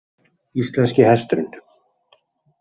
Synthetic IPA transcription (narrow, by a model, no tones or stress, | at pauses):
ist̪lɛnscɪhɛst̪ɾʏn